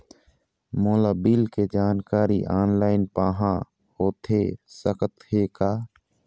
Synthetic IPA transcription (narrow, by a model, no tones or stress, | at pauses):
moːlaːbiːlked͡ʒaːnkaːɾiʔaːnlaːɪnpaːɦã | hoːt̪ʰesəkət̪heːkaː